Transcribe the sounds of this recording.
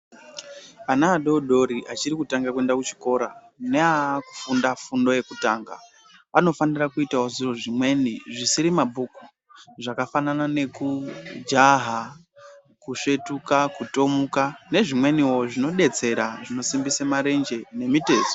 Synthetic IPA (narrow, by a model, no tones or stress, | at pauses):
anaːɗo̞ɗo̞ɾiʔat͡ʃirikutaŋɡak̬uwe̞ndakut͡ʃi̥ko̞ɾa | ne̞aku̥fundafundo̞je̞kutaːŋɡa | ano̞fanirakuitaoziro̞ʐimwe̞niʐisiɾimabʱuku̥ | ʐakafananane̞kud͡ʒaɦa | kuʂe̞tukakuto̞mukane̞ʐimwe̞niwo̞ʐino̞ɗe̞t͡se̞ɾaʐino̞simbisamaɾe̞nd͡ʒe̞ne̞mite̞ːso